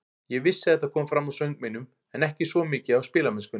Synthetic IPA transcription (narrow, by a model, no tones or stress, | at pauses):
jɛɣvɪsːɪɛht̪akʰɔːmfɾamːawsœɥŋk̚menʏm | ɛnɛhcɪsvɔmɪːcɪawspɪːlamɛnskʏn